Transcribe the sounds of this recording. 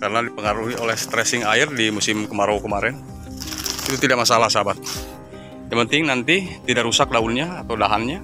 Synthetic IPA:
kaɾənadipəŋaɾuɦiolɛhst̪ɾɛsɪŋaɪrdimusɪmkəmaɾawkəmaɾɛn | it̪ut̪idaʔmasalahsabat̪̚ | japənt̪ɪŋnant̪it̪idaʔɾusak̚daunɲaːt̪awdaɦanɲa

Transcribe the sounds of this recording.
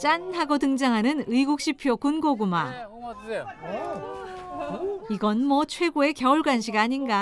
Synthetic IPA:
t͡ɕ͈anhaɡotɯŋd͡ʑaŋɦanɯnɯiɡuk̚ɕ͈ipʰjokunɡoɡuma̰ | iɡʌnmwʌt͡ɕʰwe̞ɡoe̞kjʌuɭɡwanɕʰiɡaːɲinɡa

